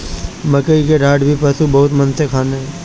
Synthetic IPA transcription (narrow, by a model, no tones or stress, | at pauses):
mɐkəikeɖʱaːɖbʱipəsubɐɦʊt̪mɐnsekʰaːneɦɛ̃ː